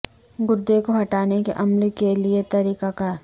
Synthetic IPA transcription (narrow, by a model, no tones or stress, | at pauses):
ɡʊɾd̪ekoɦɐʈaːnekeʔɐmlkeliet̪ɐɾiːkakaːɾ